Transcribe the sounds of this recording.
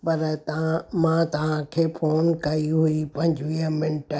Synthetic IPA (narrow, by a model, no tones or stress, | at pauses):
pɐɾt̪mãt̪ɐʋ̤ãkʰeːpʰoːnkɐiɦuipɐ̃ɲ̆d͡ʑʋiːə̃mɪnʈ